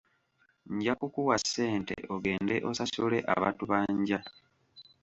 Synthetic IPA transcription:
ɲɟakukuwasːe̞ːntḛʔoɡe̞ːnde̞ʔosasule̞ʔa̰βatuβaːɲɟa

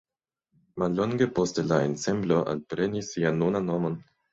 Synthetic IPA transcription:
malːoŋɡepostelaensembloʔa̰lpɾenisianːunanomon

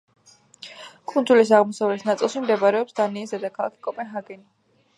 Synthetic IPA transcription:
kʼund̪zulis̬aʁmɔsavlɛt̪ʰnat̪sʼilˠʃimd̪ɛbaɾɛɔpsd̪aniːsd̪ɛd̪akʰalˠakʰi̥kʼɔpʼɛnɦaɡɛni

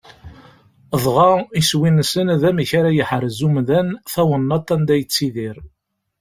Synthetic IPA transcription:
ðˤʁɑiswinsənðæmiçaɾajəħɾzumðænθæwənːɑt̪ˤːɑnd̪æjət͡sːiðiɾ

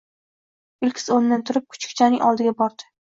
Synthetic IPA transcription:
ɪlkʲʰɪ̥zond̪ant̪ʰʊɾɪp̚kʰʊ̥t͡ʃʰɪ̥kʲt͡ʃʰanɪŋʔɒlˠd̪ɪɡʲabɒɾd̪ɪ̥

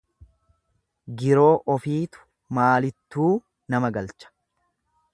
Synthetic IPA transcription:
ɡɪɾo̞ːʔɔfiːt̪ʊ̥ | maːlɪt̪ːuː | nɐmɐɡɐlt͡ʃɐ̥

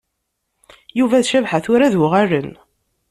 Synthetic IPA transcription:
juvæðʃævħaθʊɾæðʁaɾən

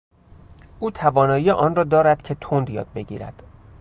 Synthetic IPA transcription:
ʔuːt̪ʰævɒːnɒːjieʔɒːnrɒːd̪ɒːɾæd̪̥cʰe̞t̪ʰond̪jɒ̰ːd̪̥̚be̞ɟḭːɾæ̰d̪̥

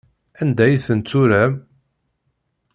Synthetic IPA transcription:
ænd̪æjθənt͡s̪ːuɾæm

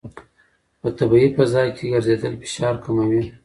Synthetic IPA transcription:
ət̪abiipəzɑjkʰeɡaɾzed̪əlfɪ̥ʃɑɾkamawi

